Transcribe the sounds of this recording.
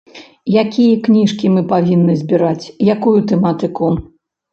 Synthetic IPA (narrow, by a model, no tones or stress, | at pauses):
jakʲijɐknʲiʂkʲimɨpavʲinːɨzʲbʲiɾat͡sʲjakujut̪ɛmat̪ɨku